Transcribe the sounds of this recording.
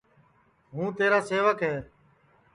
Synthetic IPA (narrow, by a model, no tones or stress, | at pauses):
ɦũːt̪eːɾaːseːʋəkɦɛː